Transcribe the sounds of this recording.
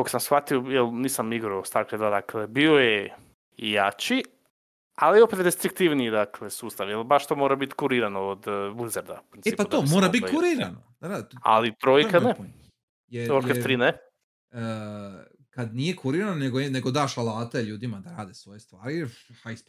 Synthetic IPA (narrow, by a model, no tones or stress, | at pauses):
ɡoksamsxfat̪iojelniːsamiɡɾaost̪aɾkɾed̪ad̪aklebioje | ijat͡ʃi | alio̞pe̞t̪d̪est̪ɾik̚t̪iʋniid̪akle̞suːst̪aʋjelbaʃt̪oːmoɾabit̪kuɾiɾanood̪blizeɾd̪a̰u̥pɾinːput̪omoɾabit̪kkuɾiɾano | daa̰lit̪ɾojkane | jeoɾkeft̪ɾiːne | ə | kad̪nijekuɾiɾanoneɡoneɡod̪aʃalˠaːt̪eʎuːd̪imad̪aɾaːd̪esʋo̞jest̪ʋaːɾijhajs